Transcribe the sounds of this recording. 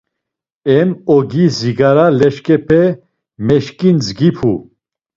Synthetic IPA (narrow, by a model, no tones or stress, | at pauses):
ɛmɔɡiziɡaɾalɛʃkʼɛpʰɛ | mɛʃkʼind͡zɡipʰu